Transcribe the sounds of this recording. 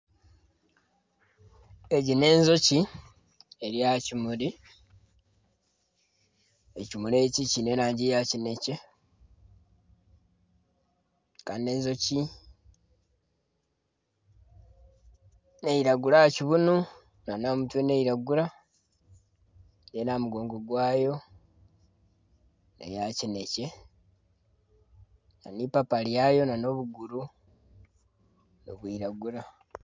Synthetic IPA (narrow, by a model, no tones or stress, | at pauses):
e̞ɟine̞ːnzo̞ci | eɾjacimuɾi | ecimule̞cicine̞ːɾaːɲɟijacine̞ce | kane̞ːnzo̞ci | ne̞iɾaɡulahaciβunu | nanamutweneiɾaɡuɾa | nenamuɡo̞ːŋɡo̞ɡwaːjo̞ | nḛjacine̞ce̞ | na̰nipapaljajo̞nano̞βuɡuɾu | no̰βwiɾaɡuɾa